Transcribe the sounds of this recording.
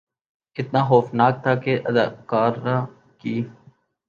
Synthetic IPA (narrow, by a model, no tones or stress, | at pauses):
ɪt̪naːɦoːfnaːk̚t̪ʰaːkeːʔəd̪aːkaːɾːaː | kiː